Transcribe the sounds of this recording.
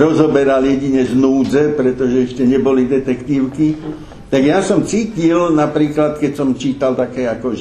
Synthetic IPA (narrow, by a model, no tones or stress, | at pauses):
ɾɔzɔbɛɾaljɛɟiɲɛznuːd͡zɛpɾɛt̪ɔʒɛɛʃcɛɲɛbɔlid̪ɛt̪ɛkt̪iːʊki | t̪aɡjasɔmt͡siːcilnapɾiːklat̪kɛcsɔmt͡ʃiːt̪alt̪akɛːakɔ